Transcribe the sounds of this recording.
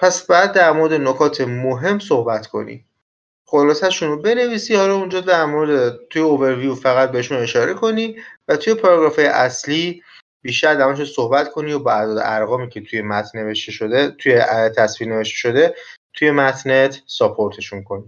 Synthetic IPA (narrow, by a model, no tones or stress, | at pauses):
pʰæsbɒjæd̪̚ːæɾmoɾed̪e̞nokʰɒːt̪ʰe̞moɦe̞msohbæt̪ʰkʰo̞̰nḭ | χo̞lɒːsæʃunobe̞ne̞viːsiːhɒlɒund͡ʒɒːd̪æɾmoɾd̪et̪ʰujeove̞ɾvijufæɣæt̪̚be̞heʃune̞ʃɒːɾʔe̞kʰo̞nivæt̪ʰuje̞pʰɒɾɒɡɾɒːfɒjḛʔæsliː | b̥iːʃt̪æɾd̪æmɒʃ̬eso̞hbæt̪kʰo̞niobɒæd̪ɒːd̪ḛʔæɾɣɒːmiːcʰet̪ʰujemæt̪ʰneveʃt̪eʃot̪ʰujet̪ʰæsviːɾne̞ve̞ʃt̪eʃo̞d̪e̞ | t̪ʰuje̞mæt̪ʰnet̪ʰsɒpʰo̞ɾt̪ʰe̞ʃunkʰo̞ni̥